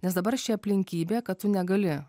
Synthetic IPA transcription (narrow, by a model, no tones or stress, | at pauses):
nʲɛsd̪ɐbɐɾʃʲɪɐpʲlʲɪŋʲkʲiːbʲeːkɐt̪̚t̪ʊnʲɛɡɐlʲɪ